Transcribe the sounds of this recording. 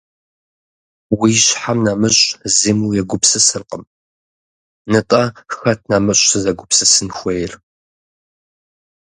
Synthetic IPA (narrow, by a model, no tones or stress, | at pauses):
wiːɕħamnaːmɨɕʼzimujɛɡʷʊpsɨsɨrqʼəm | nɨtʼɐxɐtʰnaːmɨɕʷʼsɨzɐɡʷʊpsɨsɨnxʷejr